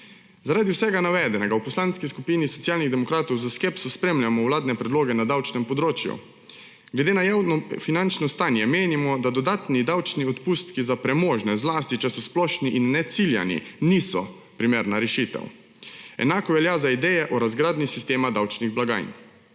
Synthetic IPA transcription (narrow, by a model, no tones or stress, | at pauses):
zaɾaːd̪iwsɛɡanaʋɛd̪ɛnɛɡawpɔslaːnskiskupiːnisɔt̪sjaːlniɣd̪ɛmɔkɾaːt̪ɔwzaskepsuspɾeːmljamɔwlaːd̪nɛpɾɛd̪loːɡɛnad̪awt͡ʃnɛmpɔd̪ɾoːt͡ʃjṵ | ɡlɛd̪eːnajaːwnɔfinant͡ʃnɔst̪anjɛmeːnimɔd̪ad̪ɔd̪aːt̪nid̪awt͡ʃniɔt̪pust̪kizapɾɛmoːʒnɛzlaːst̪it͡ʃɛsɔsplɔʃniʔinːɛt̪silja̰nḭniːsɔ̰ | pɾimeːɾnaɾɛʃit̪ɛ̰w | ɛ̰naːkɔʋɛljaːzaid̪ɛjɛʔɔɾazɡɾaːd̪nisist̪eːmad̪awt͡ʃniɣblaɡa̰ːjn